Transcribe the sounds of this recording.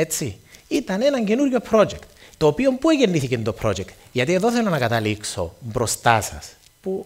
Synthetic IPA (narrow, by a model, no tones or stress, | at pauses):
et͡sːiit̪ɐne̞nɐɲce̞nuɾʝo̞pɾo̞d͡ʒekt̪ːoːpio̞mpueʝenːiθicent̪o̞pɾo̞̰d͡ʒekt̪ | ʝɐt̪ieðo̞θelːonɐkɐt̪ɐlikso̞̰mbɾost̪asɐ̰s | pu